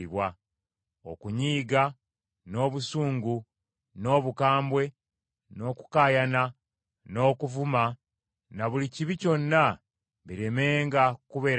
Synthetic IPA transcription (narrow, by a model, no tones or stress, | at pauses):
iβwa | o̰kuɲiːɡa | no̞ːβusuːŋɡu | no̞ːβukaːmbwe̞ | no̞ːku̥kaːjana | no̞ːkuvuma | naβuliciβico̞nːa | βiɾeme̞ːŋɡakuβe̞ɾ